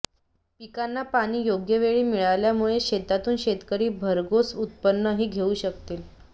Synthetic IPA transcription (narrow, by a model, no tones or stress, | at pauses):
pikanːapaɽ̃iːjoɡjəʋeɭiːmiɭaljamuɭeɕet̪at̪uːnɕet̪kəɾiːbʱəɾɡosut̪̚pənːəɦiːɡʱeuːɕək̚t̪iːl